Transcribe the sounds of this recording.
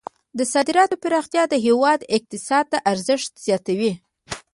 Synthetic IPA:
d̪əsɑd̪ɪɾɑt̪opɪɾɑxt̪jɑd̪əɦewɑd̪ɪq̚t̪ɪsɑd̪̚t̪aʔaɾzəʂt̪z̥jɑt̪awi

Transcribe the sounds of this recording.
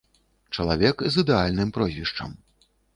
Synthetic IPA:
t͡ʂɐlˠavʲɛkzɨd̪ɛalʲnɨmpɾɔzʲvʲiʂt͡ʂɐ̰m

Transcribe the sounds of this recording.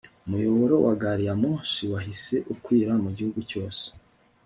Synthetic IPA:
umujoβoɾo̞wʔaɡaɾijamuːsiwaɦise̞ʔukwiːɾamuɟihuɡuco̞ːse̥

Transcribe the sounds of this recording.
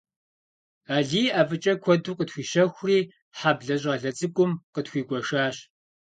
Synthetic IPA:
aːɮiːaːfɨt͡ʃʼɐkʷʰɔduːqʼətxʷiːɕɐxʷriː | ħaːbɮɐɕ̬ʼaːɮɐt͡sʼɨkʷʼʊmqətxʷiːɡʷʼɔʂaːɕ

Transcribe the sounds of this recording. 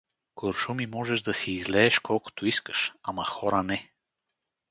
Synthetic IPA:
koɾʃumimɔʒɛʒd̪ɐsiːzlɛːʃkʰɔlˠko̥t̪ʊiskə̥ʃamɐxɔɾənɛ

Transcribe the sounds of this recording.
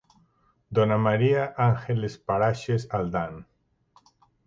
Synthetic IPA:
d̪onamaɾiaʔaŋxelespaɾaʃesald̪an

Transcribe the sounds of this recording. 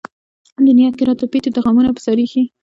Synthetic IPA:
nd̪ʊnjɑt̪̚kɪɾɑt̪opet̪od̪əɣɑmunapə̥sɑɾixi

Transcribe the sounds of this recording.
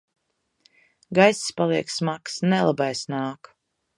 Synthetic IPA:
ɡajsspalˠiɛksmaksnɛlˠabajsnaːk

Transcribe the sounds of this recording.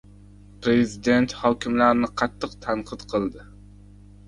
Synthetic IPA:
pɾe̞zɪd̪e̞nt̪hɒkʲʰɪmlaɾnɪqʰɑt̪ʰːɨqt̪ʰanqʰɨt̪qʰɨlˠd̪ɪ

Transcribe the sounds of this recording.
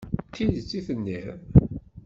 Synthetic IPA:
t̪ːiðt͡sːiθənːiðˤ

